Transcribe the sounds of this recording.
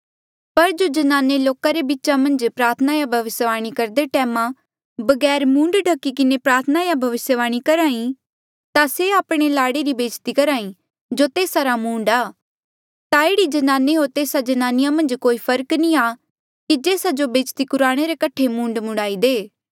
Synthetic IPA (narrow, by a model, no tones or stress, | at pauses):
pɐɾd͡ʒod͡ʒɐnaːneloːkaɾebɪtːʃamɐ̃nd͡ʒpɾaːɾt̪ʰənajabʱɐʋɪsjəʋaːɽ̃ikɐɾd̪eʈɛːmã | bɐɡɛːɾmũːɳɖɖʱɐkːikɪnepɾaːɾt̪ʰənajabʱɐʋɪsjəʋaːɽ̃ikɐɾaːĩ | t̪aseaːpɽ̃elaːɽeɾibeːt͡ʃt̪ikɐɾaːĩ | d͡ʒot̪eːsaɾamũːɳɖaː | t̪aeːɽid͡ʒɐnaːneɦot̪eːsad͡ʒɐnaːnɪjamɐ̃nd͡ʒkoːipʰɐɾknĩaː | kid͡ʒeːsad͡ʒobeːt͡ʃt̪ipʊɾaːɽ̃eɾekɐʈʰemũːɳɖmʊɽaːid̪eː